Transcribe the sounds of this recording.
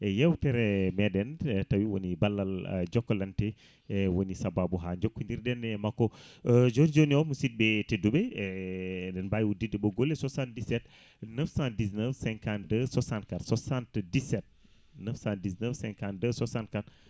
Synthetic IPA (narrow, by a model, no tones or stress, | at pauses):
ɛjɛwtɛɾɛmɛɗɛntawiwonibalːald͡ʒɔkːɔlantɛ | wonisababuɦaɲd͡ʒokːundiɾdɛnɛmakːɔd͡ʒoɾd͡ʒoniɔmusit̚bɛteduɓɛ | dɛnbajwudidɛɓɔɡolːɛsɔsant̚disɛt̚ | nəfsãndisnəfsɛŋkandəsɔsantkatsɔsantdisɛt̚ | nəfsãndisnəfsɛŋkandəsɔsankat